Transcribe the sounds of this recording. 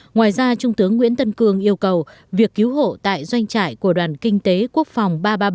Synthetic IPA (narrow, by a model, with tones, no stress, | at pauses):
ŋwaː˨˩jzaː˧t͡ɕʊ˧ŋ͡mt̪ɨ˨˦əŋːwḭ˧˥ənt̪ə˧nkɨ˧əŋʔi˧əwkə˨˩w | vi˨˩əkːi˨˦wɦo̰˧˨t̪a̰ː˧˨jzwa˧jŋ̟t͡ɕa̰ː˧˨jku˧˩əɗwaː˨˩nkï˧ŋ̟t̪e˨˦ku˦˥ək̚fa˨˩wŋ͡mɓaː˧ɓaː˧